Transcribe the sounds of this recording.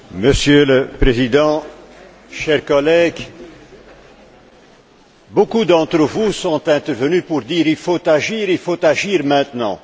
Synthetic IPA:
məsjøləpχezid̪ɑ̃ | ʃɛʁkɔlɛɡ | bokud̪ɑ̃t̪ʁəvusɔ̃t̪ɛ̃t̪ɛʁvənypuʁd̪iːʁilfot̪aʒiːʁilfot̪aʒiːʁmɛ̃t̪nɑ̰̃

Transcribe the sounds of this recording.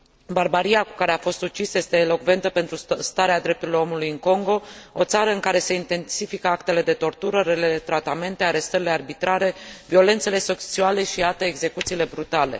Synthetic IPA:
barbaɾijakukaɾe̞afo̞st̪ut͡ʃisəje̞st̪e̞ːlo̞kve̞nt̪əpe̞nt̪ɾust̪aɾead̪ɾe̞p̚t̪uɾiloo̞mulujɨŋko̞ŋɡo̞o̞t̪saɾəɨŋkaɾe̞se̞int̪e̞nsifikəakt̪e̞le̞d̪e̞t̪o̞rt̪uɾəɾelet̪ɾat̪ame̞nt̪e̞aɾe̞st̪əɾile̞arbit̪ɾaɾe̞vio̞le̞nt̪se̞le̞sekt͡ʃiale̞ʃiat̪eːɡze̞kut̪siːle̞bɾut̪ale̞̰

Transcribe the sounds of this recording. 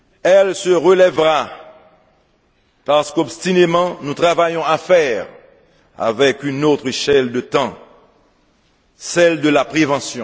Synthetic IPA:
ɛlsəʁəlɛvʁa | paʁsə̥kɔbst̪inemɑ̃nũt̪χavajɔ̃afɛʁ | a̰vɛkynot̪χeʃɛld̪ət̪ɑ̃ | sɛld̪əlapχevɑ̃sjɔ̃

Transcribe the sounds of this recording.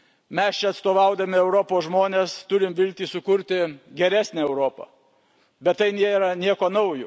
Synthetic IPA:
mʲɛst͡ʃʲɛɐt̪st̪oːʋɐʊd̪ɐmʲɪɛʊɾoːpoːsʒmoːnʲeːst̪ʊɾʲɪmʋʲɪlʲt̪ʲiːsʊkʊɾʲt̪ʲɪɡʲɛɾʲæːsʲnʲæɛʊɾoːpɐ̰ | bʲɛt̪tɐɪnʲeɛɾɐnʲiɛkoːnɐʊjʊ

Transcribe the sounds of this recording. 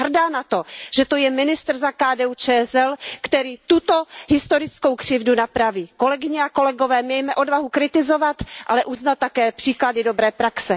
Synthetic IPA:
ɦr̩daːnat̪oʒ̥ɛt̪ojɛmɪnɪst̪r̩zakaːdɛːut͡ʃɛsɛlkt̪ɛɾiːt̪ut̪oɦɪst̪oɾɪt͡sko̞wkr̝̥ɪvdunapɾaviːkolɛɡɪɲɛako̞lɛɡo̞vɛːmɛjmɛʔo̞dvaɦukɾɪt̪ɪzovat̪ʔalɛʔuznalt̪ːakɛːpr̥iːkladɪdobɾɛːpɾaksɛ

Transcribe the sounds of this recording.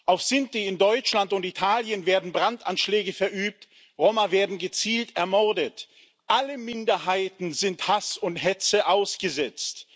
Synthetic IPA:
ʔaʊfsɪntiɪndɔʏt͡ʃlantʊntitʰaːljənveːɐdn̩bʁantanʃlɛːɡəfɛɐʔyːp̚t | ʁoːmɐveːɐdn̩ɡət͡siːltɛɐmɔɐdət | ʔaləmɪndɐɦaɪtn̩zɪnthasʊnthɛt͡səʔaʊsɡ̥əzɛt͡st

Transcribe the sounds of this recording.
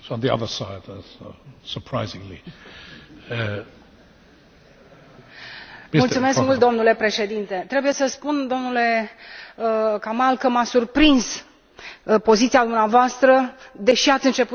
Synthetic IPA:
ə̃nðiʌ̰ðə˞saɪdsosə˞pʰɹ̥aɪzɪ̃ŋli | mmult̪sume̞skkmult̪̚d̪o̞mnule̞pɾe̞ʃe̞d̪int̪e̞t̪ɾe̞buje̞səspund̪o̞mnule̞ | kamalkəmasurpɾins | po̞zit̪siad̪umneavoast̪ɾəd̪e̞ʃiat̪sʲɨnt͡ʃe̞pu

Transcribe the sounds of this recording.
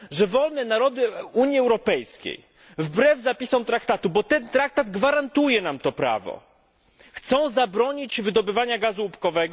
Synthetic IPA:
ʐɛvɔlnɛnaɾɔd̪ɘuɲjiɛwɾɔpɛjskʲḛj | vbɾɛvzapʲisɔ̃w̃t̪ɾakt̪at̪ubɔt̪ɛnt̪ɾak̚t̪ad̪ɡvaɾant̪ujɛnamt̪ɔpɾa̰vɔ̰ | xt̪sɔ̃w̃zabɾɔɲit͡ɕvɘd̪ɔbɘvaɲaɡazuːpkɔvɛɡ

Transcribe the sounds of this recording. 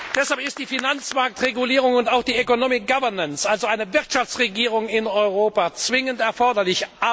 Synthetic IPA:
d̥ɛshalpɪst̚d̥iːfinant͡smaɐk̚tʁeɡuliːʁ̞ʊŋʊntaʊxd̥iːøkonoːmɪk̚ɡ̥avɛɐnansʔalzoaɪnəvɪɐtʃaft͡sʁeɡiːʁ̞ʊŋɪnɔʏʁoːpat͡sv̥ɪŋəntɛɐfɔɐdɐlɪçʔa

